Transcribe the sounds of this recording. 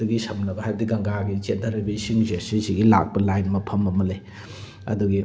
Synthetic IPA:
duɡisɐmnɐbɐhajbdiɡɐŋɡaɡit͡ʃentʰɐɾɐbisiŋzesisiɡila̰k̚pɐlajnmɐpʰɐmɐmɐle | ɐ̰duɡi

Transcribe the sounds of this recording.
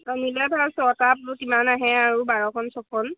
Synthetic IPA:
ɔnilabʰʱasɔtap̚ukimanaɦɛ̃aɹubaɹɔkʰɔnsɔkʰɔn

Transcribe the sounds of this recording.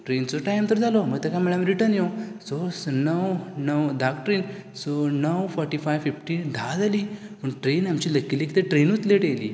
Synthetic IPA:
ʈɾent͡soʈajmt̪əɾd͡zaloməɡt̪ekamiɭamɾiʈənjososnəwnəwd̪ʱakʈɾinsonəʋfɔɾʈifajʋfifʈid̪ʱad͡zalipəɳʈɾenamt͡ɕiləkːilikit̪eʈɾenut͡sleʈelḭː

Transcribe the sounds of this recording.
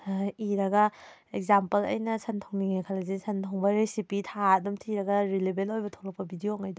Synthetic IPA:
iɾɐɡɐ | ek̚zampɐlɐ̰jnɐsɐntʰoŋniŋekʰalɐzisʰɐntʰoŋbɐɾesipitʰadumtʰiɾɐɡɐɾilebʱelojbɐtʰolɐk̚pɐbidioŋajd

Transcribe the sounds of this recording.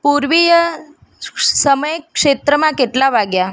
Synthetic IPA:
puɾʋijə | səməjkʂet̪ɾəmãkeʈlabʱaɡja

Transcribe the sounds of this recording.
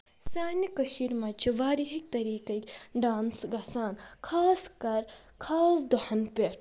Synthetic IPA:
saːnikɐʃiːɾmat͡ʃʰiʋaːɾiɦik̚t̪ɐɾiːkɐkʲɖaːnsɡɐsaːnkʰaːskɐɾ | kʰaːsd̪uhɐnpʲeʈ

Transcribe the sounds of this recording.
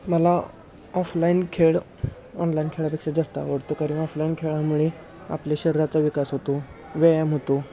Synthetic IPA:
məla | ɔflainkʰeɭ | ɔnlainkʰeɭapekʂad͡zast̪a̰ʋəɽt̪okaɾĩnɔflainkʰeɭamuɭe | a̰pljaɕəɾiɾat͡saʋikasɦot̪o | ʋeamɦot̪o

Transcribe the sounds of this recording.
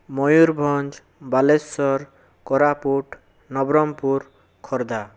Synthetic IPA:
mɔjuɾbʱɔnd͡ʒ | balesɔɾ | kɔɾapuʈ | nɔbɾɔmpuɾ | kʰɔɾd̪a

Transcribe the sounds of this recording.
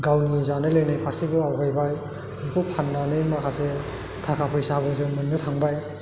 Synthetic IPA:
ɡawnizanɯlejnajpʰasibɯawɡajbaj | ikʰɯpʰanːanɯjmakʰase | tʰakʰapʰɯjsabɯzɯŋmɯnːɯtʰaŋbaj

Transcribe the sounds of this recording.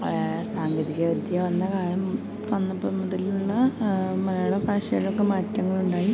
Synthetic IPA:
saːŋɡɐðiɣɐod̪jɐʋɐnːɐkaːɾɐm | fɐnːɐbɐmɐðiluɭːɐmɐlɐjɭɐfaːɕɐjɐɭokːe̞maːtːɐŋːɐɭuɳɖaːji

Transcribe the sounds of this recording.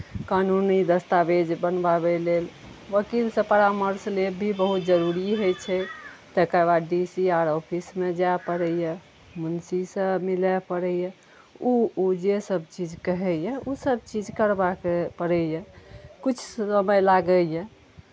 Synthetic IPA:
kanunid̪əst̪abed͡ʒbənbabelel | ʋəkilsə̃pəɾaməɾslebʱibəɦut̪d͡ʒəɾuɾiɦojt͡ʃʰɛt̪əkəβad̪ɖisiaɾɔpʰismed͡ʒaepəɾɛjə | munsisə̃milɛpəɾɛjɛ | uud͡ʒesəb̚t͡ʃid͡ʒkəɦɛjɛusəb̚t͡ʃid͡ʒkəɾbakpəɾɛjɛkut͡ʃʰsəməjlaɡəjẽ

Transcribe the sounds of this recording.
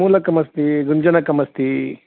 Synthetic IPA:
uːlɐkɐmɐst̪iɡuɲd͡ʒɐnɐkɐmɐst̪i

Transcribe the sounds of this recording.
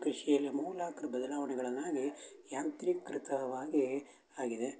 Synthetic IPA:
kɾiʂijɐlːimuːlaːkɐɾɐbɐd̪ɐlaːʋɐɳɛɡɐɭɐnːaːɡijaːnt̪ɾikɾɪt̪ɐʋaːɡi | aːɡid̪e

